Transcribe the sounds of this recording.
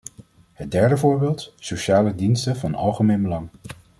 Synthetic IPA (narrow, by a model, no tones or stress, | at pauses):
ɦət̚dɛɹdəvʊːɹbɪːlˠtsoʃaːlədinstəvɑnɑ̰lˠχəmejnbəlɑŋ